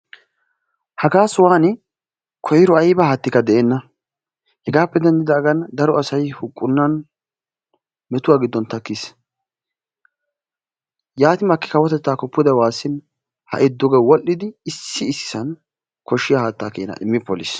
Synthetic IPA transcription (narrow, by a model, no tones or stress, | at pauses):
hɐɡaːsʊwaːnɪ | kʰɔjɪɾɔɐjbɐhaːt̪ːɪkːɐd̪ɛʔeːnːɐ | hɛɡaːpːɛd̪ɛnd̪ɪd̪ɐːɡɐnd̪ɐɾɔɐsɐjhʊkʼːʊnːɐn | mɛt̪ʊwaːɡɪd̪ːɔnt̪ɐkːis | jaːt̪ɪmɐkːɪ̥kɐwɔt̪ɛt̪ːaːkɔpːɪd̪ɐwaːsːɪn | hɐ̰ʔɛd̪ːɔɡɐwɔʔːɪd̪ɪːsːɪːsːɪ̥sɐn | kʰɔʃːɪjahaːt̪ːaːkḛːnɐ̰ʔɪmːɪpːɔlis